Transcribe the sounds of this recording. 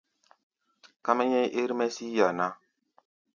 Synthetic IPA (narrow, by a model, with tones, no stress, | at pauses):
ka˦ma˦ɲɛ˦jʔe˦ɾme˦si˦ja˨na˦